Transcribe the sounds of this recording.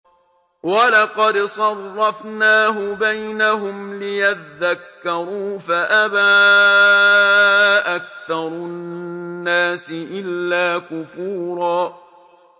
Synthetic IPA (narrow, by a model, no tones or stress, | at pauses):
walɑqɑd̪sˤɑrˤːɑfnaːɦʊbajnaɦʊmlɪjat̪ðakːɑɾˤuːfaʔabaː | ʔakθɑɾˤʊnnːaːsɪʔɪlːaːkʊfuːɾˤɑː